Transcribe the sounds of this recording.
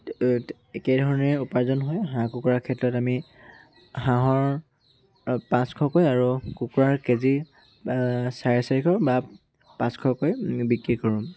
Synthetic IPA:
ɛkɛdʱɔɹɔnɛɹupaɹzɔnɦɔjɦãkukuɹaɹkʰɛtɹɔtami | hãɦɔɹ | pãskʰɔkojaɹukukuɹaɹkezi | saɹɛsaɹikʰɔɹba | pãskʰɔkojbikɹikɔɹʊ̃

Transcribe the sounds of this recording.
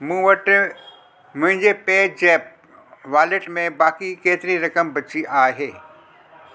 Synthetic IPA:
mũːʋɐʈ | mʊ̃ɦɪ̃ɲd͡ʑepeːd͡ʑɛːp̚ | ʋaːlɪʈmẽbaːkikeːt̪ɪɾiɾɐkəmbɐt͡ɕiʔaːɦeː

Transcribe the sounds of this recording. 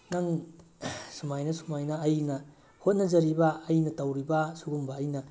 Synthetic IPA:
ŋaŋ | sumajnɐsumajnɐːjnɐ | hot̚nɐzɐɾibɐːjnɐtɐwɾibɐsuɡumbɐːjnɐ

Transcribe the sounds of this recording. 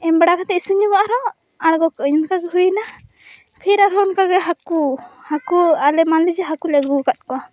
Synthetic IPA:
ɛmbɛɽakat̪ɛisuɲuɡaʔaɾɔ | aɽɡɔkəɲunkaɡɛɦujina | pʰiɾaɾɔɔnkaɡɛɦakuhakualɛmanlid͡ʒɛɦakulɛɡukat̪̚kɔa

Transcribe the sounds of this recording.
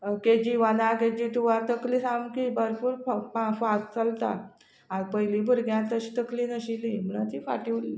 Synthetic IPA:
ked͡ʑiʋanaked͡ʑiʈuʋaɾt̪əkliːsamkiːbəɾpuːɾpãfast͡səlt̪a̰ | aɡpəɦilibəɾɡjãt̪əɕit̪əkliːnəɕiliːm̤əɽ̃at̪iːfa̰ʈiʋli

